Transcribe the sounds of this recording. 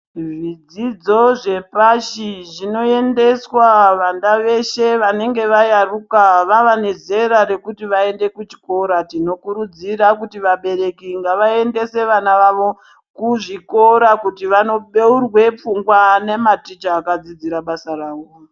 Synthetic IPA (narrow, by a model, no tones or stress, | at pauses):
ʐid͡zid͡zo̞ʐe̞paʃiʐino̞e̞nde̞swaʋandaʋe̞ʃe̞ʋane̞ŋɡe̞ʋajarukaʋaʋaneze̞ɾaɾe̞kutiʋae̞nde̞kut͡ʃi̥ko̞ɾatino̞kuɾud͡ziɾakutiʋaɓe̞ɾe̞kiŋɡaʋae̞nde̞se̞ʋanaʋaʋo̞ | kuʐiko̞ɾakutiʋano̞ɓeurwep͡fuŋɡwane̞matit͡ʃaːkad͡zid͡ziɾaɓasaraːwo